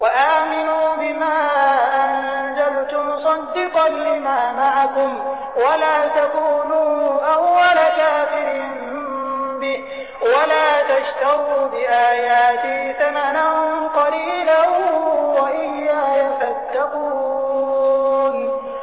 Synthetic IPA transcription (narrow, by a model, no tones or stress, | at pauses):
waʔaːmɪnuːbɪmaːʔanzalt̪ʊmʊsˤɑd̪ːɪqɑnlɪmaːmaʕakʊm | walaːt̪akuːnuːʔawːalakaːfɪɾiːn | bɪ | walaːt̪aʃt̪aɣuːbɪʔaːjaːt̪ɪhθamananqɑliːla | waʔɪlːaːjafat̪ːaquː | n